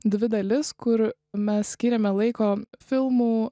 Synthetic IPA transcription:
d̪ʲʋʲɪd̪ɐlʲɪskʊɾ | mʲɛssʲkʲiːɾʲɛmʲɛlˠɐɪkoːfʲɪlˠmuː

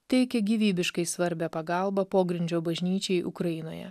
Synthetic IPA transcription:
t̪ʲɛɪkʲɛɡʲiːʋʲiːbʲɪʃkɐɪsʋɐɾʲbʲæpɐɡɑˑlˠbɐpoːɡɾʲɪnʲd͡ʒʲoːbɐʒʲnʲiːt͡ʃʲɛɪʔʊ̰kɾɐɪno̰ːjɛ̰

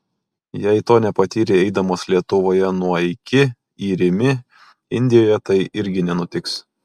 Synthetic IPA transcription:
jɛɪt̪oːnʲɛpɐt̪ʲiːɾʲɪɛɪd̪ɐmoːslʲiɛt̪ʊʋoːjɛnuɔɪkʲɪ | iːɾʲɪmʲɪ | ɪnʲd̪ʲɪjoːjɛt̪ɐɪʔɪɾʲɡʲɪnʲɛnʊt̪ʲɪks

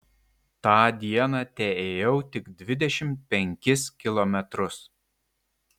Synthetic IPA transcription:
t̪ɑːd̪ʲiɛnɑːt̪ʲɛeːjɛʊt̪ʲɪɡd̪ʲʋʲɪd̪ʲɛʃʲɪmt̪̚pʲɛŋʲkʲɪskʲɪlˠɔmʲɛt̪ɾʊs

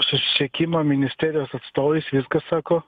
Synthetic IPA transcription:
sʊsʲɪ̥sʲɛkʲɪmɐmʲɪnʲɪsʲt̪ʲæːɾʲɪjoːsɐt̪st̪oːʋʲisʋʲɪskɐssɑːkoː

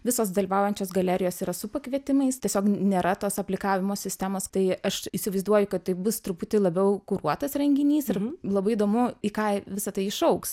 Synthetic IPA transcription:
ʋʲɪsoːsd̪ɐlʲiʋɑːʊjɛnʲt͡ʃʲoːsɡɐlʲæːɾʲɪjoːsiːɾɐsʊpɐkʋʲiɛt̪ʲɪmɐɪst̪ʲiɛsʲoːknʲeːɾʔɐt̪oːsɐpʲlʲɪkɑːʋʲɪmoːsʲɪsʲt̪ʲæːmoːst̪ɐɪɐʃɪʃʲsʲɪʋɐɪzd̪uɔjʊkɐtt̪ɐɪbʊst̪ɾʊpʊt̪ʲɪlˠɐbʲɛʊkʊɾuɔt̪ɐsɾʲɛŋʲɡʲɪnʲiːsɪrlˠɐbɐɪɪd̪oːmʊiːkɑːʋʲɪsɐt̪ɐɪɪʃɐʊks

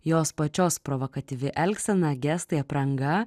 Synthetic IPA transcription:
joːspɐt͡ʃʲoːspɾɔʋokɐt̪ʲiʋʲɪʔɛlʲksʲɛnɐɡʲɛst̪ɐɪɐpɾɐŋɡɐ

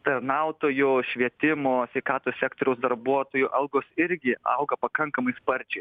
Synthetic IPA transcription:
t̪ɐrnɐʊt̪oːjʊʃʲʋʲiɛt̪ʲɪmoːsʲʋʲɛɪkɑːt̪oːsʲæːkt̪oːɾʲɛʊsd̪ɐɾbuɔt̪oːjʊʔɐlˠɡoːsɪɾʲɡʲɪɐ̰ʊɡɐpɐkɐŋkɐmɐɪspɐɾʲt͡ʃʲɛɪ

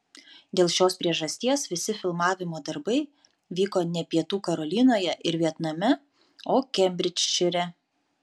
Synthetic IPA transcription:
d̪ʲeːlˠʃʲoːspʲɾʲiɛʒɐsʲt̪ʲiɛsʋʲɪsʲɪfʲɪlˠmɑːʋʲɪmoːd̪ɐɾbɐɪ | ʋʲiːkoːnʲɛpʲiɛt̪uːkɐɾɔlʲɪnoːjɛʔɪɾʋʲiɛt̪nɐmʲɛ | oːkʲɛmʲbʲɾʲɪt͡ʃʲʃʲʊɾʲɛ

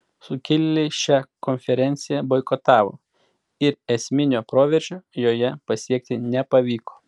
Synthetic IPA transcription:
sʊkʲɪlʲːlʲɪʃʲækɔnʲfʲɛɾʲɛnʲt̪sʲɪjɛboɪkɔt̪ɑːʋo̰ː | ɪɾɛsʲmʲɪnʲoːpɾoːʋʲɛɾʲʒʲoːjoːjɛpɐsʲiɛk̚ʲt̪ʲɪnʲɛpɐʋʲiːkoː

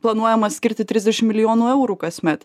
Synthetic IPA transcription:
plˠɐnuɔjɛmɐsʲkʲɪɾʲt̪ʲɪt̪ʲɾʲɪzd̪ʲɛʃʲɪmʲɪlʲɪjoːnuːɛʊɾuːkɐsʲmʲɛt̪

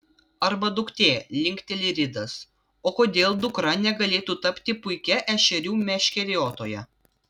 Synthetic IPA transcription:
ɐɾbɐd̪ʊkt̪ʲeːlʲɪŋʲkʲt̪ʲɛlʲɪɾʲɪd̪ɐs | oːkoːd̪ʲeːlˠd̪ʊkɾɐnʲɛɡɐlʲeːt̪uːt̪ɐpʲt̪ʲɪpʊɪkʲɛʔɛʃʲɛɾʲuːmʲɛʃʲkʲɛɾʲjoːt̪oːjɛ̰

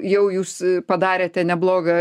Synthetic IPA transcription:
jɛʊjuːspɐd̪ɑːɾʲeːt̪ʲɛnʲɛblˠoːɡɐ

